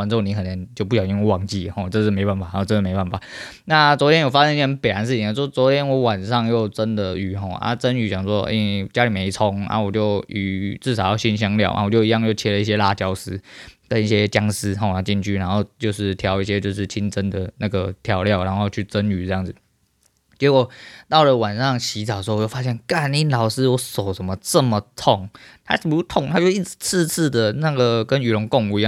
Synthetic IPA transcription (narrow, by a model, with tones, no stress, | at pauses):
a˧˥nʈ͡ʂo˥˩ni˧˥kʰə˨˩nʰjnt͡ɕjo˥ʊp̬u˥˩jʊ˨i˥˧ŋ˥˦wɑ˨˩ŋt͡ɕi˥˩˨xɔ˥˩ʈ͡ʂə˥˧ʂ̩˥˩me˧˥ɪpa˥˩nfa˨˩˥ʈ͡ʂə˥˧˥me˧˥ɪpa˥˩nfa˨˩˦ | na˥˨t͡swɔ˧˥t̪jɛ˥njo˨˩fa˥jɛ˥ni˥˩˥npə˨˩nɻa˧˦˥nʂ̬ɻ̩˥˩t͡ɕi˨˩˥wɔ˥t͡swɔ˧˥t̪ʰjɛ˥nwɔ˧˥wa˨˩nʂɑ˥˧ŋjo˥˩ʊt͡sə˦˥nd̪ə˨y˨˩xɔ˥˧˩a̰˦t͡sə˦ny˧˥t͡ɕjɑ˨˩ŋswɔ˦ḛ˥˩t͡ɕja˥li˨˩me˨˧˥ɪt͡sʰɔ˧˥ŋa̰˦wɔ˨˩t͡ɕjo˥˩ʊy˨˩t͡sɹ̩˥˩sɑ˨˩ʊjɑ˥˧ʊɕi˥˩nɕ̬jɑ˥ŋljɑ˥˩ʊʔa̰˩˨wɔ˨˩t͡ɕjo˥˧ʊi˧˥jɑ˥˧ŋt͡ɕjo˥˩ʊt͡ɕʰjɛ˥lə˨˧i˥˩ɕjɛ˦la˥˧t͡ɕjɑ˥ʊsɹ̩˥kə˦ni˥˩ɕjɛ˦t͡ɕjɑ˥ŋsɹ̩˥ɦɔ˨a˥˩t͡ɕi˥˩nt͡ɕʰy˥˩na˧˥nxo˥˧ʊt͡ɕjo˥˧ʊʂɻ̩˥˩t̪ʰjɑ˧˥ʊi˥ɕ̬jɛ˧˦t͡ɕjo˥˧ʊʂ̬ɻ̩˥˩t͡ɕʰi˥nt͡sə˦nd̪ə˨na˥˩ɡə˩t̪ʰjɑ˧˥ʊljɑ˥˨˩ʊna˧˦n˥xo˥˧ʊt͡ɕʰy˥˩t͡sə˦˥ny˨˩ɤ˧jɑ˥˩ŋd͡zɹ̩˨˩ | t͡ɕɛ˧˥kwɔ˨˩t̪ɑ˥˩ʊlə˨˩wa˨˩nʂɑ˥˧ŋɕi˧˥t͡s̩˨˩˧jo˥˧fa˥ɕjɛ˥˨nka˥˩ni˥˩nlɑ˨˩ʊʂɹ̩˥wɔ˧˥so˨˩ʊʂə˧˨˦nmə˨t͡sə˥˩mə˨t̪ʰʊ˥˩ŋt̪ʰa̰˥˨˩bu˧˩u˥˩t̪ʰʊ˥˨ŋt̪ʰa˥t͡ɕo˥˧i˥˩t͡s̩˨˩t͡s̩ʰ˥˧t͡s̩ʰ˥˩d̪ə˩na˥˩ɡə˩kə˦ny˨˩lʊ˧˥ŋkʊ˥˧ŋu˧˩i˧˦jɑ˥˨